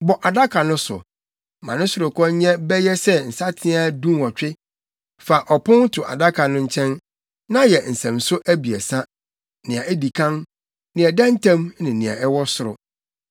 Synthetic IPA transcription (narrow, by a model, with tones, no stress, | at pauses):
bɔ˨ʔa˨da˦kʰa˨nʊ̃˦sʊ̰˨ | mã˨nɪ̃˦sʊ˨ɾʊ˨kʰɔ̃˦ɲɛ̃˦bɛ˦jɛ˦sɛ˦n̩˨sa˦tʰɪ̃˦a˦dũ˦nɔ˨t͡ɕᶣɪ˦ | fa˨ʔɔ˨pʰʊ̃˦n˦tʰʊ˨ʔa̰˨da˦kʰa˨nʊ̃˦ɲ̩˦t͡ɕʰɛ̃˦n | nã˦jɛ˨n̩˨sɛ̃˨msʊ˦ʔæ˦bi˨ɛ˨sa˦ | nɪ̃˨ã˨ɛ˦di˨kʰã˦n | nɪ̃˨ɛ˨dã˦n˦tʰã˦m˦nɪ̃˨nɪ̃˨ã̰˨ʔɛ˦wɔ˦sʊ˨ɾʊ̰˨